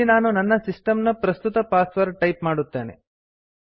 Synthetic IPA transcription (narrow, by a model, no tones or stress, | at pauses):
inaːnunɐnːɐsisʈɐmnɐpɾɐst̪ut̪ɐpaːsʋɐɾʈɐjpmaːɽut̪ːe̞ːnḛ